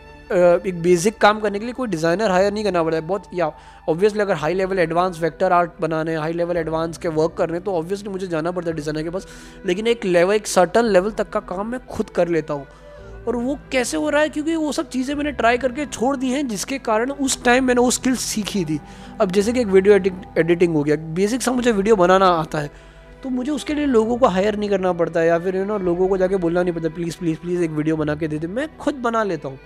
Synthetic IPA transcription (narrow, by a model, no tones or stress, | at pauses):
eːk̚beːsɪkːaːmkɐɾnekeliːekoːiɖɪzaːɪnəɾɦaːjəɾnɐɦĩkɐɾnapɐɽt̪aɦɛbɔːt̪jaː | ɔːbʋijəs̬liɐɡəɾɦaːileːʋəlɛɖʋãːnsʋɛːk̚ʈəɾaːɾʈ̚bɐnaːneɦɛ̃ɦaːileːʋəlɛɖʋãːnskeʋəɾkːɐɾneɛ̃t̪oɔːbʋijəs̬limʊd͡ʒʱed͡ʒaːnapɐɽt̪aɛɖɪzaːɪnəɾkepaːs | leːkɪneːklɛːʋəleːksɐɾʈənlɛːʋəlt̪ɐkːakaːmːɛ̃xʊd̪kɐɾleːt̪aɦũː | ɔːɾʋokɛːseɦoːɾaaɦɛkjõːkiʋosɐb̚t͡ʃiːzẽmɛ̃ːneʈɾaːjk̬ɐɾk̬et͡ʃʰoːɽd̪iɦɛ̃d͡ʒɪskekaːɾəɽ̃ʊsʈaːɪmːɛːneʋoskɪlssiːkʰid̪iː | ɐbd͡ʒɛːs̬ek̬ieːkʋiːɖijoɛɖɪeːɖɪʈ̬ɪ̃ŋɡɦoːɡejabeːs̬ɪksãmʊd͡ʒʱeʋɪːɖijobɐnaːnaaːt̪aɦɛː | t̪omʊd͡ʒʱeʊskelieloːɡõkoɦaːjəɾnɐɦĩkɐɾnap̬ɐɽt̪̬aɦɛjafɪɾɪnɔɾloːɡõkod͡ʒaːkeboːlnanɐɦĩpɐɾt̪̬apliːzpliːzpliːzeːkʋiːɖijobɐnaːk̬ed̪eːt̪̬emɛ̃ːxʊd̪̚bɐnaleːt̪aɦũː